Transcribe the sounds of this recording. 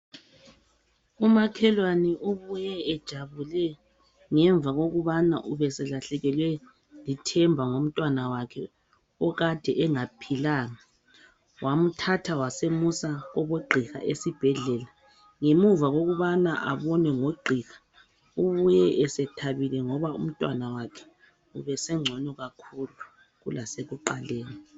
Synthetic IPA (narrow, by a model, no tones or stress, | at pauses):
umakʰɛlwanɛuβujɛːd̥ʒ̥ʱaβulɛ | ŋɛɱb̪vʱaɣoɣuβana̰ʔuβɛsɛlaɬɛɣɛlwɛ | litʰɛmbʱaŋom̩tʼwanawakʰɛ | ɔɣad̥ʱɛʔɛŋapʰilaːŋa | wʔam̩tʰatʰawasemusaɣɔβoɡ͡ǃʱiɣa̰ʔesib̥ʱɛɮɛːla | ŋemuvaɣoɣuβanaʔaβɔnwɛŋoɡ͡ǃʱiɣḁ | uβujɛʔɛsɛtʰaβilɛŋɔβaṵm̩tʼwa̰nawakʰɛ̥ | uβɛsɛŋ͡ǀʱɔnɔɣakʰulu | ɣṵlaseɣuǃaleːni